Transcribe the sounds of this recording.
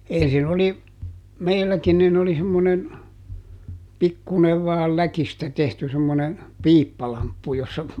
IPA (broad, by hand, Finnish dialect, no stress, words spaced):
ensin oli meilːækin nin oli semːonen pikːuˑneʋ ʋɑːl lækistæ tehty semːone piːpːɑlɑmpːu josːɑ